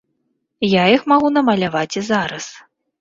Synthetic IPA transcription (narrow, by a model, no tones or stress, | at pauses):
jaixmaɣunɐmɐlʲavat͡sʲizaɾɐs